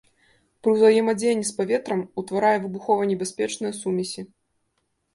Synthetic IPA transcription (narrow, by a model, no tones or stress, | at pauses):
pɾɨwzvajɛmad͡zʲejɐnʲːispavʲɛt̪ɾɐmut̪vaɾajɛvɨbuxɔvɐnʲɛbʲasʲpʲɛt͡ʂnɨjɐsumʲisʲi